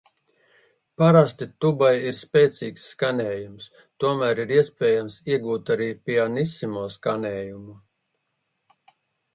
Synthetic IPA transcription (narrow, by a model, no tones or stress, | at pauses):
paɾast̪it̪ubajiɾspʲeːt̪siːksːkanʲɛːjums | t̪uɔmæːɾiɾiɛspʲɛːjamsiɛɡuːt̪aɾiːpʲianisimuɔskanʲɛːjumu